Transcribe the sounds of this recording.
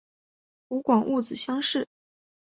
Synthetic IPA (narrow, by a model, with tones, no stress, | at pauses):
u˧˥kwɑ˨˩ŋʔu˥˩t͡sɹ̩˨˩ɕjɑ˥ŋʂɻ̩˥˩